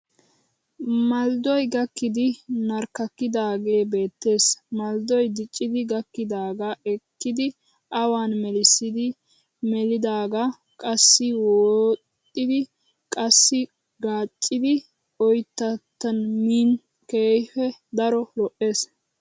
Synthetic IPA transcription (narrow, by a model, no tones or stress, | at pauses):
mɐld̪ɔjɡɐkːɪd̪ɪnɐɾkːɐkːɪd̪aːɡe̞ːbe̞ːt̪ːe̞ːsmɐld̪ɔjd̪ɪt͡ʃʼːɪd̪ɪɡɐkːɪd̪aːɡaɛkːɪd̪ɪ | ʔɐwaːnmɛlɪsɪd̪ɪ | mɛlɪd̪aːɡa | kʼɐsːɪwoːtʼːɪd̪ɪ | kʼɐsːɪ | ɡaːt͡ʃʼːɪd̪ɪ | ɔjt̪ːɐt̪ːɐnmiːn | keːfɛd̪ɐɾɔlɔʔeːs